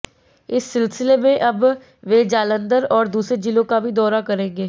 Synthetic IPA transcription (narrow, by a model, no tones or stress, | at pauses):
ɪsːɪlsɪleːmẽːʔəb | ʋeːd͡ʒaːlənd̪əɾɔːɾd̪uːsɾeːd͡ʒɪlõːkaːbʱiːd̪ɔːɾaːkəɾẽːɡeː